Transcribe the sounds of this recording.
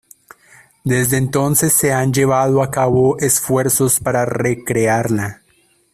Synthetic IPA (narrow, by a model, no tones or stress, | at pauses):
d̪e̞zd̪eːnt̪o̞nse̞sːe̞and͡ʒe̞βaðoakaβo̞ʔesfwe̞ɾso̞spaɾare̞kɾeaɾla